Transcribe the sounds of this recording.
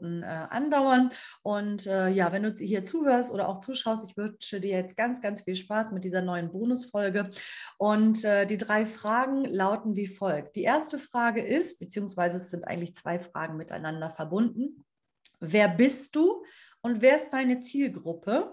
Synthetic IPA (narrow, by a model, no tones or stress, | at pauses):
n̩ʔɛːʔa̰ndaʊɐnʔʊntʔɛːjaːvɛnduːhiːɐt͡suːhøːɐstʔoːɾɐʔa̰ʊxt͡suːʃaʊstɪçv̥ʏnt͡ʃədiːɐjajɛt͡st̚ɡ̥ant͡sɡ̥ant͡sfiːlʃpaːsmɪt̚d̥iːzɐnɔʏənboːnʊsfɔlɡəʔʊntʔɛːdiːdʁaɪfʁ̥aːɡŋ̩laʊtn̩viːfɔlk̚t̚d̥iːʔeːɐstəfʁ̥aːɡəʔɪst̚b̥ət͡siːʊŋsv̥aɪzəɛsz̥ɪntʔa̰ɪŋ̩tlɪçt͡sv̥a̰ɪfʁ̥a̰ːɡŋ̩mɪta̰ɪnandɐfɛɐbʊndn̩ | veːɐbɪstd̥uː | ʔʊntv̥eːɐɪst̚d̥aɪnət͡siːlɡʁʊpʰə